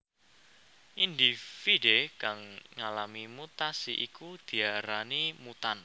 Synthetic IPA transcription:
ʔind̪ifidekaŋŋalamimut̪asiʔikud̪̥i̤aɾanimut̪an

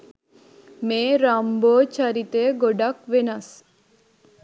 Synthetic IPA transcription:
meːɾamboːt͡ʃaɾit̪eɡoɖakʋenas

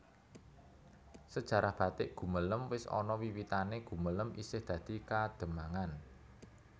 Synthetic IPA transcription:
səd̥ʒ̥ä̤ɾahb̥ä̤t̪ɪʔɡ̥ṳmələmwɪsɔ̰nɔwiwit̪aneɡ̥ṳmələmisɪhd̪̥ä̤d̪̥i̤kad̪̥ə̤maŋan

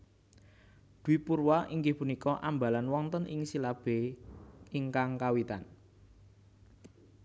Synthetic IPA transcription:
d̪̥uwipurwaʔiŋɡɪhpunikɔʔamba̤lanwɔŋt̪ənʔɪ̰ŋsilab̥e | iŋkaŋkawit̪a̰n

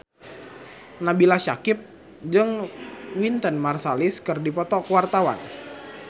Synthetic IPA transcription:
nabilaʃakɪp̚ | d͡ʒɨŋwint̪ənmarsalɪskɨrdipɔt̪ɔkəwart̪awa̰n

